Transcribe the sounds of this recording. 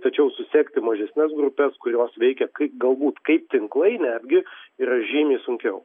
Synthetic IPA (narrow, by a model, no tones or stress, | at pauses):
t̪ɐt͡ʃʲɛʊsʊsʲeːkt̪ʲɪmɐʒʲɛsʲnʲɛsɡɾʊpʲɛskʊɾʲjoːsʋʲɛɪkʲɛkɐɪpɡɐlˠbuːt̪kɐɪp̚t̪ʲɪŋklˠɐɪnʲæːd̪ʲɡʲɪiːɾɐʒʲiːmʲiːsʊŋʲkʲɛʊ